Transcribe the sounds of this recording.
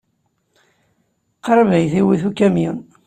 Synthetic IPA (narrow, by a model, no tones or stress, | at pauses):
qɾˤəvijθiwiθukːæmjin